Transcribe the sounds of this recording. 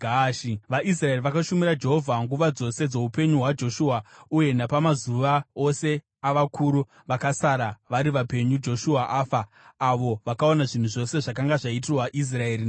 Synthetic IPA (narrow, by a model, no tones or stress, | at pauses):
ɡaʃiʋaʔis̬rae̞riʋakaʃumiɾad͡ʒe̞ɦo̞vʱaŋɡuʋad͡zo̞se̞d͡zo̞upe̞ɲuɦwad͡ʒo̞ʃuːauje̞napamazuʋao̞se̞ | aʋakʰuɾu | ʋakasaɾaʋaɾiʋape̞ɲud͡ʒo̞ʃuaʔaːfaː | ʋo̞ʋakaonaʐin̤uʐo̞se̞ʐakaŋɡaʐaitirwaʔis̬rae̞ːɾi